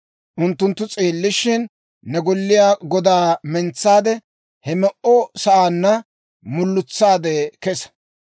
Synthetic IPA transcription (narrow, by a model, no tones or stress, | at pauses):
ʔʊnt̪ːʊnt̪ːʊt͡sʼeːlːɪʃɪnː | ɛɡɔlːɪjaːɡɔd̪aːmɛnt͡sːaːd̪ɛ | hɛmɛʔɔsɐʔaːnːɐ | mʊlːʊt͡sːaːd̪ɛkɛsɐ̥